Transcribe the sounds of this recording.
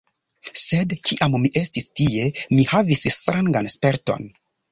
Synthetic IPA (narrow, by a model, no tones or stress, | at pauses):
se̞dkiʔammiʔe̞stistie̞mihavisstɾaŋɡanspeɾto̞̰n